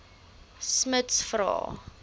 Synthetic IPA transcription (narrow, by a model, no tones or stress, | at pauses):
smətsfrɑ̰ː